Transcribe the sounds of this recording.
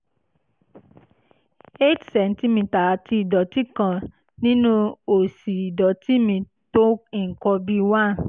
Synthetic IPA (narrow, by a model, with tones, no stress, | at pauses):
e˦tsɛ˨n̩˦ti˦mĩ˧ta˨ti˧i˨dɔ˨ti˦kã˦˨ | nĩ˦nũ˦o˨si˨dɔ˨˦ti˦mĩ˧ | to˦i˨kɔ˧bi˦wã˦˨